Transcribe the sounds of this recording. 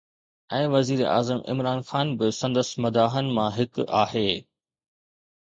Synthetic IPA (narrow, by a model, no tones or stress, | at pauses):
ɛ̃ːʋɐziːɾʔa̰ːzəmʔɪ̰mɾaːnxaːnbɪsɐ̃nd̪əsmɐd̪aːɦənɪ̆mãɦɪkaːɦeː